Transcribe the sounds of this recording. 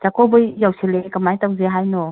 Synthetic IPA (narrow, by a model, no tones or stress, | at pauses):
zakɔbɯjːawsilekamajtawzeɦajnɔ